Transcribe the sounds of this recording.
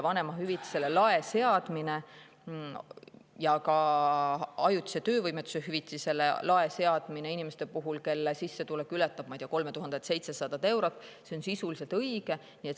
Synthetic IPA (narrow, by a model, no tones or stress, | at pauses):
vɑne̞mɑɦyvit̪ːˑi̥se̞lːelɑese̞ɑd̪̥mine̞ | jɑkɑ | ɑjut̪ːˑi̥set̪øːvɤjmet̪ːˑu̥seɦyvit̪ːˑise̞lːelʔɑe̞se̞ɑd̪̥mine̞inimest̪epuɦulke̞lːesisːe̞t̪ulekylɛt̪ːˑɑb̥̚mɑjd̪̥eɑko̞lmet̪uɦɑnd̪et̪se̞jt̪se̞sɑd̪̥ɑd̪e̞wɾot̪ːˑse̞o̞nsisulise̞lt̪ɤjɡ̥e̞ | niet̪